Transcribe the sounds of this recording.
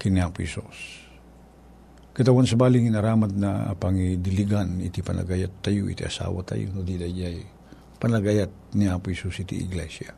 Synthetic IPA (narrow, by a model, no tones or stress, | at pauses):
kiniapʊhɛsus | kɐt̪awansɐbaːlɪŋinɐɾaːmat̪̚na̰paŋid̪ɪliɡanḭt̪ipɐnʔa̰ɡajat̪ːajuʔḭt̪iʔɐsa̰ːwa̰t̪a̰jo̰nud̪id̪ad͡ʒaj | pɐnlaɡajat̪̚niaːpʊhɛsusit̪ḭɪ̰ɡlɛsja